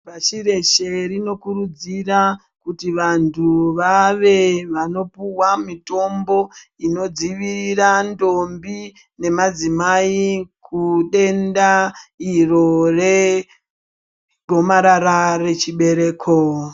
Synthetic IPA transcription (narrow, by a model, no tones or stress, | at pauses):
paʃire̞ʃerino̞kuɾud͡zira | kutiʋantʰuʋaʋe̞ʋano̞puwamito̞mbo̞ino̞d͡ziʋirirando̞mbi | ne̞mad͡zimaikʰuɗe̞ndairo̞re̞ | ɡʱo̞maɾaɾare̞t͡ʃiɓe̞ɾe̞ːkʰo